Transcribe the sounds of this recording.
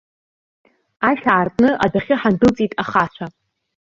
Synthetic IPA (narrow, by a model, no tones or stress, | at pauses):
aʃʲaːrtʼnɨʔadaχʲɪħandɨlt͡sʼitʼaχat͡ɕʷʰa